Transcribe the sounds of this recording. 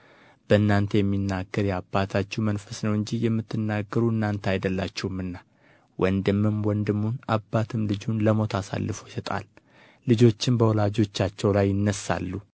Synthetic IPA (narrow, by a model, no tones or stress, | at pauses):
b̥əɨnːant̪ʰəjɛmːinːaɡːəɾjɛabːat̪ʰat͡ʃːumənfəsnəwɨɲd͡ʒijɛmːɨt̪ːɨnːaɡːəɾuɨnːant̪ʰajd̪əlːat͡ʃːɛhumːɨnːa | wʔənd̪ɨmːɨmwənd̪ɨmːunabːat̪ʰɨmlɨd͡ʒunləmo̞t̪ʰasa̰lːɨfosɛt̪ʼa̰l | lɨd͡ʒo̞t͡ʃːɪmbəwɔlad͡ʒo̞t͡ʃːat͡ʃːɛwlajːɪnːəsːa̰lːu